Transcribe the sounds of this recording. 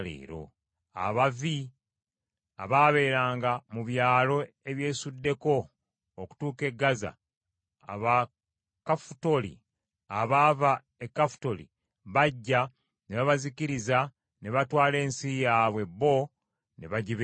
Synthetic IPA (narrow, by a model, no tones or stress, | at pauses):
lḛːɾo̞̰ | a̰βavi | a̰βaːβe̞ːɾaːŋɡamuβjaːlo̞ | e̞βje̞ːsudːe̞ko̞ː | ku̥tuːke̞ɡːaza̰ | a̰βa | kafu̥to̞lḭ | aβaːva | e̞kːafu̥to̞lḭ | βaɟːa | neβaβaziciɾiza | ne̞βatwaːle̞ːnsijaːβwe̞bːo̞ | ne̞βaɟiβ